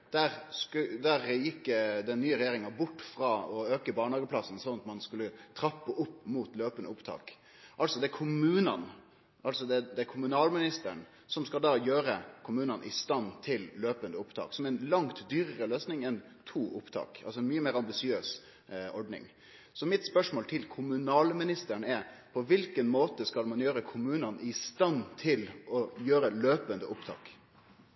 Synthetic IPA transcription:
d̪̥æɾskd̪æɾjɪkːd̪ɛnːyːəɾɛjeːɾɪŋɑbʊʈːfɾɑːɔøːkəbɑːɳhɑːɡəpʰlɑsn̩sɔnɑt̪mɑnskʉlːət̪ʰɾɑpːəʔʊpːmuːt̪løːpənd̪əʊpt̪ʰɑ̰ːk | ʔɑlsɔd̪ɛkʰʊmʉːnɑ̰n | ɑlsɔd̪ɛd̪ɛɛkʰʊmʉnɑːlmɪnɪst̪əəɳ | sɔmskɑld̪ɑːjøːɾəkʰʊmʉːnənʔɪ̰st̪ɑnt̪ʰɪlløːpənd̪əʊpt̪ʰɑ̰ːksɔmɛnlɑŋt̪d̪yːɾəɾəløːsnɪŋɛn | t̪ʰuːʔʊpt̪ʰɑ̰ːkɑ̰lsɔɛnmyːəmeːɾɑmbɪsɪøːs | ɔɖnɪ̰ŋ | sɔmɪt̪spœʂmoːlt̪ʰɪlkʰʊmʉnɑːlmɪnɪst̪əɳɛɾpʰɔʋɪlkənmoːt̪əskɑlmɑnjøːɾəkʰʊmʉːnɑnʔɪst̪ɑnt̪ʰɪlɔjøːɾəløːpənd̪əʔʊpt̪ʰɑ̰ːk

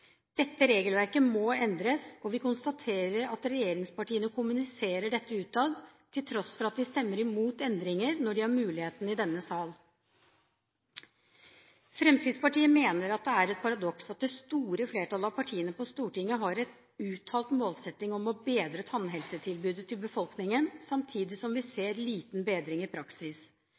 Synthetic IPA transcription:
d̪̥ɛt̪ːəɾeːɡəlʋæɾkəmɔɛnd̪ɾəsɔʋɪkʊnst̪ɑt̪ʰeːɾəɾɑt̪ɾɛjeːɾɪŋspɑʈiːənəkʰʊmʉnɪseːɾəɖɛt̪ːəʉːt̪ʰɑːd̪t̪ʰɪlt̪ʰɾɔsfɔɾɑt̪̚d̪ɪst̪ɛmːəɾɪmuːt̪ɛnd̪ɾɪŋəɾnɔɖɪhɑɾmʉːlɪheːt̪n̩ɪd̪ɛnːəsɑːl | fɾɛmsɪd̪spɑʈiːəmeːnəɾɑt̪̚d̪ɛæɾɛt̪̚pʰɑɾɑd̪ɔksɑt̪̚d̪ɛst̪uːɾəfleːʈʰɑlɑʋpʰɑʈʰiːənəpɔst̪uːʈɪŋːəɦɑɾɛt̪ | ʉːt̪ʰɑːlt̪moːlsɛt̪ːɪŋɔmɔbeːd̪ɾət̪ʰɑnɦɛlsət̪ʰɪlbʉːd̪ət̪ʰɪlbəfɔlˠknɪŋənsɑmt̪ʰiːd̪ɪsɔmʋɪseːɾliːt̪nbeːd̪ɾɪŋɪpʰɾɑksɪs

